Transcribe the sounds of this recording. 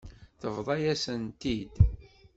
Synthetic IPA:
θəvðˤɑjæsənt̪id̪

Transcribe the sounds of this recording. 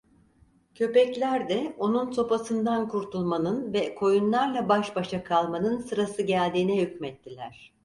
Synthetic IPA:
cʰø̞pɛclʲæɾd̪ɛo̞nunso̞pasɯnd̪ankʰuɾt̪ʰulˠmanɯnvɛkʰo̞junlˠaɾlˠabaʃbaʃakʰalˠmanɯnsɯɾasɯɟælʲd̪iːnɛhycmɛt̪ʰːilʲæɾ̝̥

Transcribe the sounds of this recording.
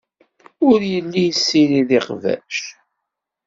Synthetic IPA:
ʊɾjəlːijəsːiɾiðiqvæ̰ʃ

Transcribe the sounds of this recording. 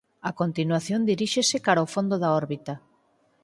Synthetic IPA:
akont̪inwaθjond̪iɾiʃesekaɾaofond̪oðaɔɾβit̪a

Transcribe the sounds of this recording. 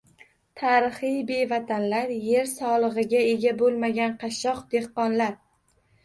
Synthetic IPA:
t̪ʰaɾɨχɨjbe̞vat̪ʰanlaɾje̞ɾsɒlˠɨʁɨɡʲae̞ɡʲabolˠmaɡʲanqʰɑʃɒqd̪e̞hqɒnlaɾ

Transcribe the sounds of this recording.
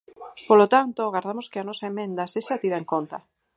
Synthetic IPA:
polot̪ant̪oaɣaɾðamoskeanɔsaemẽnd̪aseʃat̪iðaeŋkont̪a̰

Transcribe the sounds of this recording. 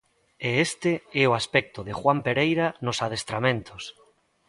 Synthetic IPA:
eest̪eɛoaspɛk̚t̪oðexwampeɾejɾanosað̞est̪ɾamẽnt̪os

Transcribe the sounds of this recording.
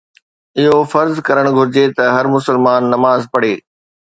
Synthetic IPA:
ɪɦofɐɾzkɐɾəɽ̃ɡʱʊɾɪd͡ʑet̪ɐɦɐɾmʊsəlmaːnːɐmaːzpɐɽeː

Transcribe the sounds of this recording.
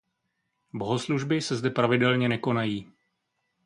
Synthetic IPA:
bo̞ɦosluʒbɪsɛzdɛpɾavɪdɛlɲɛnɛko̞najiː

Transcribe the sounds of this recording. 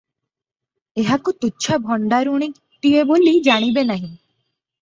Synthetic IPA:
eɦakut̪uːt͡ʃʰabʱɔɳɖaɾuɽ̃i | t̪iebolid͡ʒaɽ̃ibenaɦĩ

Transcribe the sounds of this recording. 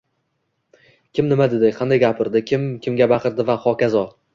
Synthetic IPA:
kʲʰɪmnɪmad̪ɪd̪ɪqʰɑnd̪ajɡʲapʰɪɾd̪ɪkʲʰɪmkʲʰɪmɡʲabaqʰɨɾd̪ɪvaχɒkʲʰazɒ

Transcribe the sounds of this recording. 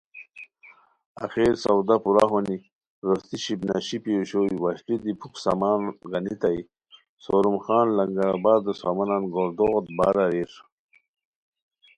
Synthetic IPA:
a̰xeːɾsawd̪apuɾaɦoni | ɾost̪iɕibnaɕipioɕoiwaɕʈid̪ipʰuksamaːnɡanit̪aji | soɾumxɑːnlɐŋɡaɾabaːɾd̪əsamɐnanɡoɾd̪oɣt̪̚baːɾaɾiɾ

